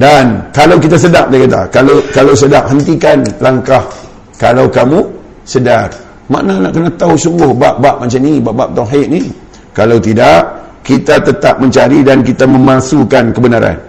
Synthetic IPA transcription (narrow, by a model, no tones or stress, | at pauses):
dankalawk̬it̪as̬ədaʔ̚dakat̪a̰kalakalaws̬ədaʔ̚ɦənt̪ikanlaŋkah | kalawkamu | sədar | ma̰ʔnanaʔkənat̪ausuŋɡʊhbaʔbaʔmat͡ʃamnibaʔbaʔ̚t̪ɔɦeʔni | kalawt̪idaʔ | kit̪at̪ət̪ap̚məɲt͡ʃaɾidankit̪amə̃mãsukankəbənaɾa̰n